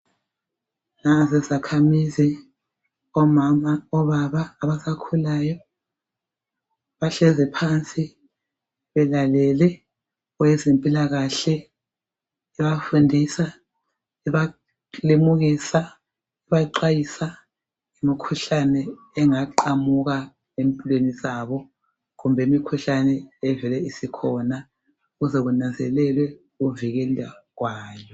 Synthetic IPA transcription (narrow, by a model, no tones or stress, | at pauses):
nazɛzakʰamizi | ɔmamaɔβaβaːβasakʰulajɔ | βaɬɛzɛpʰant͡sʼi | βɛlalɛlɛ | ɔwɛzempʼilaɣaɬɛ | ɛβafundʱisa | ɛβa | lemuɣisa | ɛβaǃajisa | imikʰuɬanɛː | ŋaǃamuɣa | empʼilwenizaβɔ | ɣumbʱɛimikʰuɬanɛːvɛlɛisikʰɔna | ɣuzɛɣunand͡zʱɛlɛlwɛ | ɣuviɣeliwaɣwaːjɔ